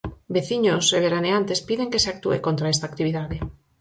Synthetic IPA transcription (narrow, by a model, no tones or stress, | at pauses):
beθiɲoseβ̞eɾaneant̪espiðeŋkeseak̚t̪uḛkont̪ɾaɛst̪akt̪iβiðaðe